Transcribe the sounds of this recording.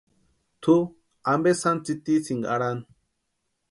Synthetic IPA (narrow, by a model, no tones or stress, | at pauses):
t̪ʰu | ambesant͡sit̪isiŋɡa̰ɽan